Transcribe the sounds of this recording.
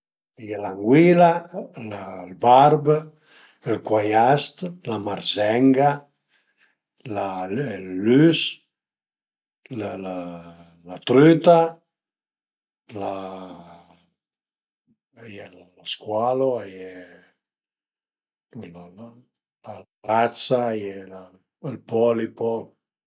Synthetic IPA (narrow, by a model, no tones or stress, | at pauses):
ajɛlaŋɡwilalalbaɾb | lkwajast̪lamaɾzɛŋɡa | lalːys | lla | lat̪ɾyt̪a | la | jɛllaskwaloajɛ | l | laarat̪sajɛla | lpɔlipɔ